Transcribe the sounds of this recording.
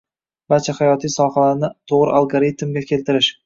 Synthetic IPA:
b̥aɾt͡ʃʰahajɒt̪ʰijsɒhalaɾnɪt̪ʰoʁɾɪ̰ʔalˠɡoɾit̪mɡʲakʲʰe̞lt̪ɪɾɪʃ

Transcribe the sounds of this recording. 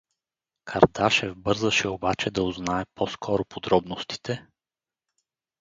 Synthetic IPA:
kʰɐɾd̪aʃɛvbɤɾzəʃɛobat͡ʃɛd̪ɐʊznaɛpʰɔskʰɔɾʊpʰod̪ɾɔbnost̪i̥t̪ʰɛ

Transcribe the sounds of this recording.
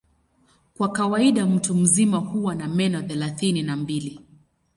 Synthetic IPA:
kwakawaiɗam̩tum̩zimahuwanamɛnɔθɛlaθininambili

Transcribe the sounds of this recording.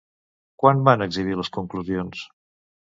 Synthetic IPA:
kwanbanəɡziβ̞iləskuŋkluzions

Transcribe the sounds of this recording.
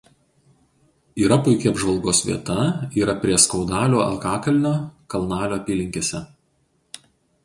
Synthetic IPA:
iːɾɐpʊɪkʲɛɐbʒʋɐlˠɡoːsʋʲḭɛt̪ɐiːɾɐpʲɾʲiɛskɒʊd̪ɑːlʲoːɐ̰lkɑːkɐlʲnʲoːkɐlˠnɑːlʲoːɐpʲiːlʲɪŋʲkʲeːsʲɛ

